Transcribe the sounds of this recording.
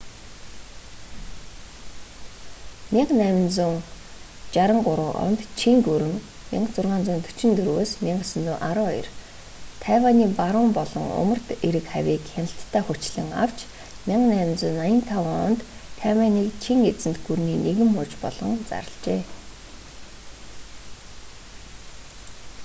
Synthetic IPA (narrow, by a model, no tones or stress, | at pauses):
mʲɪɴnæːmɪ̆nt͡suːŋ | t͡ɕaɾə̆ɴɢʊɾʊːʔɔ̰nt̪t͡ɕʰiŋt̪uɾɘ̆ŋ | mḭɴət͡sʊrʁaːnt͡sʊːnt̪ʰɵ̥t͡ɕɪ̆nt̪ʰɵɾwoːsmʲiɴɢə̆sɵ̆nt͡s̪uːŋʔaɾɔːɔjɞ̰̆r | t̪ʰæːwaːniːpaɾʊːmpɔɮɞ̆ŋʊ̰mə̆r̥t̪eɾɘ̆kχæwʲiːkxanə̆ɬt̪ʰːæːχʊt͡ɕɮɘ̆ŋa̰w̥t͡ɕ | mʲɪɴqnæːmɪ̆nt͡sʊːnːajə̆nt̪ʰawaɔ̰nt̪ʰːæːwaːniːkt͡ɕʰiŋet͡sɘ̆nt̪ɡurniːneɣɘ̆mʊːt͡ɕpɔɮ̥ɞ̆ŋt͡sa̰ɾə̆ɮt͡ɕeː